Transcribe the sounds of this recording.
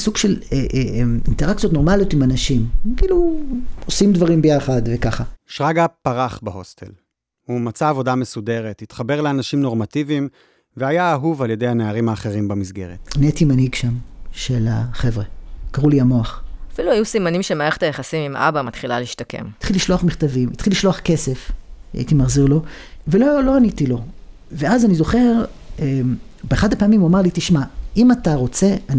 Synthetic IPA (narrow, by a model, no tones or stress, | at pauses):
suɡʃeleʔminteʁak̚t͡sijo̞t̪no̞maljo̞timanaʃimkiːluosimdvaʁimbe̞jaχadve̞kaχaʃʁaɡapaʁaχbeɦost̪ʰḛl | humat͡saːvo̞damesude̞ʁet̪hit̪χabe̞ʁleanaʃimno̞ʁmativim | veajaːɦuvalje̞dejhaneaʁimaːχe̞ʁimbamizɡe̞̰ʁet̪aniatimanhiɡʃamʃe̞la̰χe̞vʁekaʁuliamo̞aχafiluajusimanimʃemaʁeχe̥t̪ajaχasimimʔa̰bamat̪χilaliiʃtake̞̰mit̪χiliʃloaχmiχt̪avimitχiliʃlo̞aχke̞se̞fa̰it̪imaχziʁlo̞ve̞lolo̞anitilo̞ | veazanizo̞χe̞ʁebeːχadapaːmimuamaʁlitiʃmaimataʁo̞t͡se̞an